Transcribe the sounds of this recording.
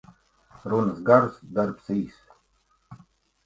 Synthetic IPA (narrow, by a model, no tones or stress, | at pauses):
ɾunəsɡaʐusd̪aɾpsiːs